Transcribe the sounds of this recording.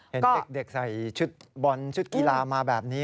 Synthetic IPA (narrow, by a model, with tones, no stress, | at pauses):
he˩˦kɔː˥de˨˩k̚de˨˩k̚sa˨˩jt͡ɕʰu˦˥t̪̚bɔ˧nt͡ɕʰu˦˥t̪̚ki˧laː˧maː˧bɛː˨˩p̚niː˦˥